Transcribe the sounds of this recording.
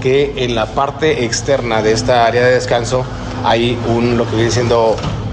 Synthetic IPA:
keːnlapaɾt̪e̞ʔekst̪e̞ɾnaðe̞est̪aaɾeaðe̞ðeskanso̞ | ajunlo̞ke̞βje̞nes̬je̞nd̪o̞

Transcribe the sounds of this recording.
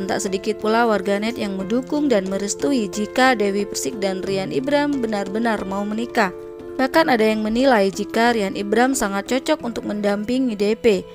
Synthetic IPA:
nt̪a̰ʔsədikɪt̪̚pulawarɡanɛt̪jaŋmədukʊŋdanməɾəst̪uid͡ʒikadewipərsɪk̚danrianibɾambənarbənarmaumənika | bahkanadajaŋmənilajd͡ʒikaɾianʔibɾamsaŋat̪̚t͡ʃɔt͡ʃɔk̚unt̪ʊk̚məndampɪŋidepe

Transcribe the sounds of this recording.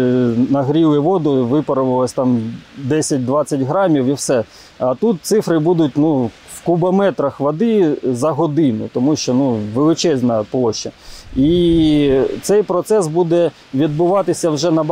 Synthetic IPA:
nɐɦɾʲilˠɪʋɔd̪ʊʋɪpɐɾʊʋɪlˠɐsʲt̪ɑmd̪ɛsʲɐt̚ʲd̪ʋɑt͡sʲːɐtʲɦɾɑmʲiwiwsɛ | ɐt̪ut̪̚t̪sɪfɾɪbud̪ʊtʲnu | wkubɐmɛt̪ɾɐxʋɐd̪ɪzɐɦɔd̪ɪnʊ̰t̪ɔmuʃt͡ʃɔnuʋelˠɪt͡ʃɛzʲnɐplˠɔʃːɐi | t̪sɛjpɾɔt̪sɛsbud̪ɛ | ʋʲid̪̚bʊʋɑt̪ɪsʲɐwʒɛnɐb

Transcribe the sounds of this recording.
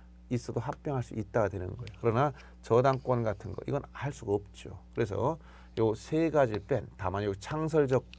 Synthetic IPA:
is͈ʌdoɦap̚p͈jʌŋɦaɭs͈uit̚t͈aɡadwe̞nɯ̰nɡʌejokɯɾʌna | t͡ɕʌdaŋk͈wʌnɡatʰɯnɡʌ̰ʔḭɡʌnaɭs͈uɡʌp̚t͡ɕ͈o̰kɯɾe̞s̬ʰʌ̰ | josʰe̞ɡad͡ʑiɭp͈entamanjot͡ɕʰaŋsʰʌɭd͡ʑʌk̚

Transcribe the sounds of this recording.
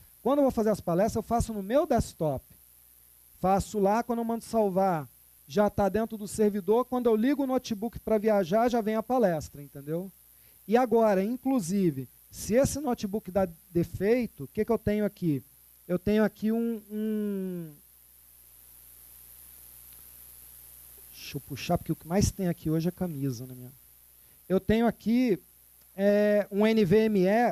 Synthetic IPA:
kwɐ̃nd̪oewvowfazeɾɐsɐpalɛst̪ɾzewfasʊnʊmewd̪ɛst̪ɔp | fasʊlakwɐ̃nd̪ewmɐ̃nd̪ʊsawvaɾ | ʒat̪ad̪ẽnt̪ɾʊd̪ʊseɾvid̪oɾkwɐ̃nd̪ʊewliɡʊnot͡ʃibukɪ̥pɾɐviaʒaɾʒavẽj̃ɐpalɛst̪ɾɐẽnt̪ẽnd̪ew | ɪaɡɔɾɐĩkluzivɪ | sɪesɪnot͡ʃibukɪd̪ad̪efejt̪ʊʊkekɪewt̪ẽɲʊaki | ewt̪ẽɲʊakʰiũũ | ʃopuʃapʊɾkeʊkɪmajst̪ẽj̃akʰioʒɪɛkɐmizɐnɐmĩɲɐ | ewt̪ẽɲʊakʰi | ɛũẽnɪveemiɛ

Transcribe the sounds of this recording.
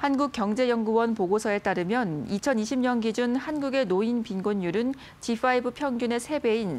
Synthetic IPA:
hanɡuk̚k͈jʌŋd͡ʑe̞jʌŋɡuwʌnpoɡosʰʌe̞t͈aɾɯmjʌnit͡ɕʰʌniɕʰimɲʌnɡid͡ʑunhanɡuɡe̞noinpinɡoɲjuɾɯn | t͡ɕipʰaibɯpʰjʌŋɡjune̞sʰe̞be̞in

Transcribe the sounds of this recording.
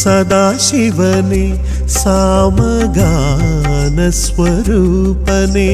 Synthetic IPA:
sɐd̪aːʃiʋɐne | saːmɐɡa | nɐsʋɐɾuː | pɐne

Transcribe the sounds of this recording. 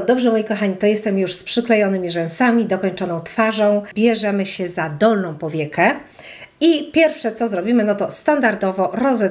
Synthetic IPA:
d̪ɔbʐɛmɔjikɔxaɲit̪ɔjɛst̪ɛmjuʂspʂɘklɛjɔnɘmʲiʐɛñsamʲid̪ɔkɔɲt͡ʂɔnɔ̃w̃t̪faʐɔ̃w̃bʲjɛʐɛmɘɕɛzad̪ɔlnɔ̃w̃pɔvʲjɛkɛ | ipʲjɛɾfʂɛt̪sɔzɾɔbʲimɘnɔt̪ɔst̪and̪aɾd̪ɔvɔɾɔzɛ

